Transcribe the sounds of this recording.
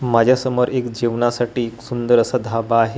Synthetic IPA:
mad͡ʑʱjasəməɾekd͡ʑiʋɳasaʈiːeksund̪əɾəsad̪ʱabaːɦe

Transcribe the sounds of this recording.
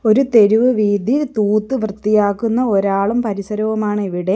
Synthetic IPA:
o̞ɾut̪e̞ɾuʋɨʋiːd̪ʱit̪uːt̪ːɨʋrɨt̪ːijaːkːunːɐo̞ɾaːɭumpɐɾisɐɾɐʋɐmaːɳiʋiɽe̞

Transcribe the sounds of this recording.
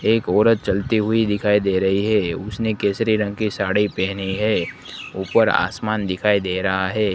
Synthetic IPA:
eːkɔːɾət̪̚t͡ʃɐlt̪iɦʊid̪ɪkʰaːid̪eːɾɐɦiɦɛːʊsnekeːsɾiɾə̃ŋɡ̚kisaːɽipɛɦniɦɛːuːpəɾa̰ːsmaːnd̪ɪkʰaːid̪eːɾɐɦaɦɛː

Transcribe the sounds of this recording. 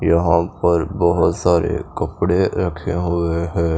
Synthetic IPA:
jɐɦãpɐɾbɐɦʊt̪saːɾḛkɐpɽeɾɐkʰeɦʊeɦɛ̃ː

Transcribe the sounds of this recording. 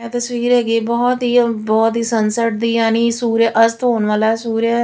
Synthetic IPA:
ɛ̃ːt̪əsʋiːɾɦɛːɡiːbɔːt̪ɦiːbɔːt̪ɦiːsənsəʈ̚d̪iːjaːniːsuːɾʔəst̪ɦoːnʋaːlasuːɾja

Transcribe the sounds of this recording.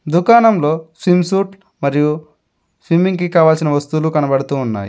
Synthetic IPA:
d̪ukaːnɐmlo̞ːsʋimsuːʈ | mɐɾiju | sʋimiŋɡkikaːʋaːlsinɐʋɐst̪ulukɐnɐbɐɽɐt̪uːnːa̰ːji

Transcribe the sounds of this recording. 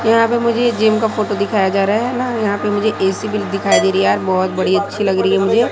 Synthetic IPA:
jɐɦãpemʊd͡ʒʱed͡ʒeːmkafoːʈod̪ɪkʰaːjad͡ʒaːɾaaɦɛnajɐɦãpemʊd͡ʒʱeʔɛːsibɪld̪ɪkʰaːid̪eːɾiɦɛaːɾbɔːt̪̚bɐɽ̤iɐtːʃʰilɐɡɾɐiɦɛmʊd͡ʒʱeː

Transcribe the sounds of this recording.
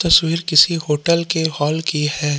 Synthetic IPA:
t̪ɐswiːɾkɪsiɦoːʈəlkehɔːlkihɛː

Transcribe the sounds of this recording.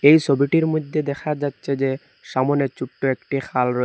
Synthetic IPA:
ejt͡ɕʰobiʈiɾmod̪ʱːed̪ɛkʰad͡ʑatːɕʰed͡ʑe | ʃamonet͡ɕup̚ʈːoekʈixʰalɾoe

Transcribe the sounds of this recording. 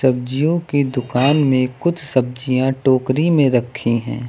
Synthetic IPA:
ɐb̚d͡ʒijõkid̪ʊkaːnmẽkʊt̪ʰsɐb̚d͡ʒijãʈoːkɾimẽɾɐkʰːĩɦɛ̰̃ː

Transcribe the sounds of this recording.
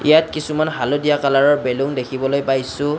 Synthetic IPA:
ḭjat̚kisumanɦalodijakalaɹɔɹbeluŋdekʰibɔlojpajsʊ̃

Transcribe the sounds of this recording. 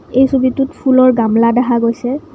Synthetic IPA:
ejsubitutpʰulɔɹɡamladɛɦaɡojsɛ

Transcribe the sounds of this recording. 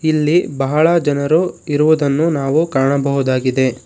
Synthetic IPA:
ilːibɐɦɐɭɐd͡ʒɐnɐɾuiɾuʋud̪ɐnːunaːʋukaːɐɳɐbɐɦud̪aːɡid̪e̞

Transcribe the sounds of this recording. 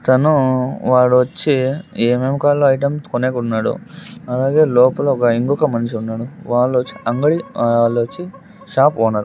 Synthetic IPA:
t̪ɐnuʋaːɽuʋɐt͡ʃːiememkaːlːoːɐjʈɐmskoneːkɐunːaːɽṵɐlaːɡe̞ːlɔːpɐlɐɔkɐiŋɡɔkɐmɐnt͡ʃiunːaːɽuʋaːɭːut͡ʃːiɐŋɡɐɽiaɭːuʋɐt͡ʃːi | ʂaːpɔːnaːɽu

